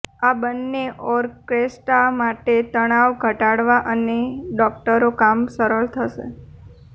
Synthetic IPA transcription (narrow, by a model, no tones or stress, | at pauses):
abənːeʔɔɾkɾesʈamaʈet̪əɽ̃aʋɡʱəʈaɽʋaʔəneɖɔk̚ʈəɾokamsəɾəɭt̪ʰəʃḛ